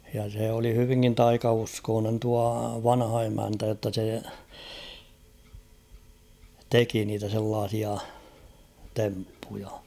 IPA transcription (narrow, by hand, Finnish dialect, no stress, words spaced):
jɑ seˑ oli hyʋiŋkin tɑikɑuskoːnen tuɑ ʋɑnhɑ emæntæ jotːɑ se teki niːtæ selːɑːsiɑ tempːujɑ